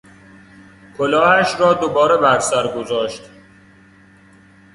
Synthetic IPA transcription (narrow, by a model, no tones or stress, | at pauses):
kʰolɒːhæʃrɒːd̪obɒːɾe̞bæɾsæɾɡozɒːʃt̪